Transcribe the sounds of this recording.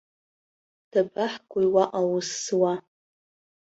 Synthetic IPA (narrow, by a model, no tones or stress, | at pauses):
d̥abaħkʷʼʊjwaʔawʊswa